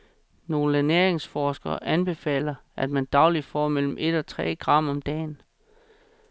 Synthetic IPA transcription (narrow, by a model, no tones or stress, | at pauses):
no̝ːləæneɐ̰eŋsfɒːsɡ̥ɐːʔænb̥e̝fɛ̰ːlɐʔæd̥mænd̥ɑ̈ʊlid̥fɒ̰ːmel̰m̩ʔe̝d̥ɒt͡sʰʁɛ̰ːɡ̥ʁɑ̈m̰ɒ̽md̥ɛ̰ːn